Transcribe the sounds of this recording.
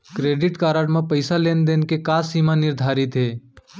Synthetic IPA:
kɾeɖiʈkaɾəɽmepəɪsalend̪enkekasimanɪɾd̪ʱaːɾit̪ɦe

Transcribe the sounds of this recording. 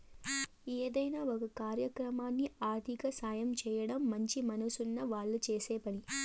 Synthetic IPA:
eːd̪ɐjnaːokɐkaːɾjɐkɾɐmaːnːiaːɾd̪ʱikɐsaːjɐmt͡ʃɛːjɐɽɐmːɐɲt͡ʃimɐnɐsunːɐʋaːɭːut͡ʃeːsɛːpɐɽi

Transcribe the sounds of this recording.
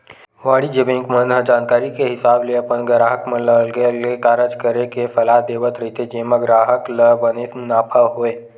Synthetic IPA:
ʋaːɽid͡ʒebẽːŋkmə̃nɦəd͡ʒaːnkaːɾikeɦɪsaːbleɐpənɡɾaːɦəkmə̃ləlɡelekaɾəd͡ʒkəɾekefɐlaːɦd̪eːʋət̪ɾɐɦit̪ed͡ʒeːməɡɾaːɦəkləbənenaːpʰaɦoːeː

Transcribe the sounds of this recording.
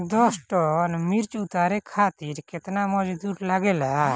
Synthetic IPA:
d̪ɔsʈɔnmiɾt͡ʃut̪aɾɛkʰaːt̪iɾkɛt̪namɔd͡ʒd̪uɾlaɡɛla

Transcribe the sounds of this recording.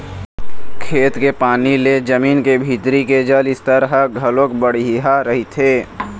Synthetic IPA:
kʰeːt̪kepaːniled͡ʒəmiːnkebʱiːt̪ɾiked͡ʒəlɪst̪əɾɦəɡʱəlõːkbəɽɦaɾəɦit̪ʰeː

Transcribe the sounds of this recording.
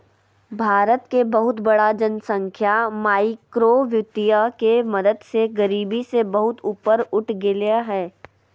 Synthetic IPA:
bʱaːɾət̪kebɐɦʊt̪bɐɽad͡ʒənsə̃ŋkʰjamaːɪkɾoʋjʊt̪ijakemɐd̪əd̪seɡɐɾiːbisebɐɦʊt̪uːpəɾʊʈʰɡɪljaɦɛː

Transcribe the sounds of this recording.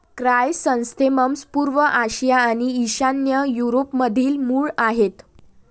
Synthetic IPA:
kɾajsə̃w̃st̪ʰeməmspuːɾʋəʔaɕijaːɽ̃iːɕanjəjuɾopməd̪ʱiːlmuːɭaɦet̪

